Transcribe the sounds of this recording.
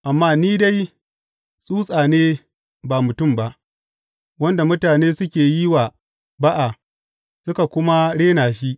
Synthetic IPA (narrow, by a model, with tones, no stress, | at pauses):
ʔa˨mːaː˦niː˦da˦j | sʼuː˦sʼaː˨neː˦ | baː˨mʊ˨tʊ˦˨mba˦ʔ | wɐ˦nda˨mʊ˦taː˨neː˦sʊ˦kʲeː˨ji˦waː˨ | ba˦ʔa˨ | sʊ˦ka˨kʷʊ˦ma˦ɽeː˦naː˨ʃ̬i˦ʔ